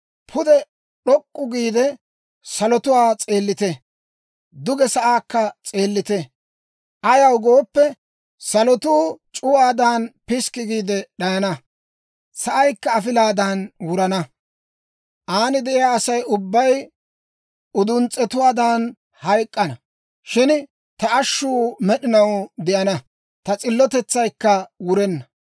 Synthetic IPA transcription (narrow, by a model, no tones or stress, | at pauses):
pʰʊd̪ɛ | ɗɔkʼːʊɡiːd̪ɛ | sɐlɔt̪ʊwaːt͡sʼe̞ːlːɪt̪ɛ | d̪ʊɡɛsɐʔaːkːɐt͡sʼe̞ːlːɪt̪ɛ | ʔɐjɐwɡo̞ːpːɛ | sɐlɔt̪uːt͡ʃʼʊwaːd̪aːnpɪskːɪɡiːd̪ɛɗɐjɐnɐ | sɐʔɐjkːɐːfɪlaːd̪ɐnwʊɾɐnɐ | ʔaːnɪd̪ɛʔɪjaːsɐjʔʊbːɐj | ʊd̪ʊnt͡sʼːɛt̪ʊwaːd̪aːn | hɐjkʼːɐnɐ | ʃɪn | t̪ɐʔɐʃːʊːmɛɗɪnɐwd̪ɪʔɐnɐ | t̪ɐt͡sʼɪlːɔt̪ɛt͡sːɐjkːɐwʊɾɛnːɐ